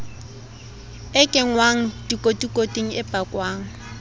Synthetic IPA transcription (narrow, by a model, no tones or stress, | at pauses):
ɪkʼɪŋwaŋ̩dikʼotʼikʼotʼiŋ̩ʔɪpʼakʼwaːŋ̩